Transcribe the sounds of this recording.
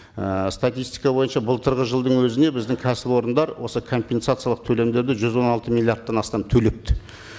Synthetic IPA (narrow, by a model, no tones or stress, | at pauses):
əst̪at̪ʲijst̪i̥jkɑbo̞jənʃɑbʊlˠt̪ʰəɾʁəʒəlˠd̪əɴwɵzɪne̞bɪzd̪ɪŋkʲʰæsɪpo̞ɾənd̪ɑɾwo̞səkʰo̞mpʲe̞nsat̪sɨjalˠəq̚t̪ʰɵle̞md̪e̞ɾd̪ɪʒʏzwo̞nɑlˠt̪əmilʲijaɾt̪ːɑnɑst̪ɑmt̪ʰɵle̞p̚t̪ɪ̥